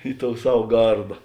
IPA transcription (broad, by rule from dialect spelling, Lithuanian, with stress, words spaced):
ɪ toːʊ ˈsɐw ˈɡɐrdɐ